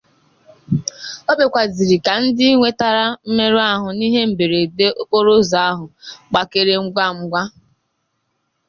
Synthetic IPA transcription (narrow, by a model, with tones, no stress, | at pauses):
o˦be˨kʷa˨zi˨ɾi˨ka˨n̩˦dɪ˦ŋʷe˦ta˦ɾa˦m̩˦me˦ɾu˦a˦ɦʊ˨ni˦ɦe˦m̩˨be˨ɾe˨de˦ʔo˦ko˦ɾo˦za˦a˦ɦʊ˨k͡pa˨ke˦ɾe˦ŋ͡m̩˦ɡʷa˦˨ŋ͡m̩˦ɡʷa˦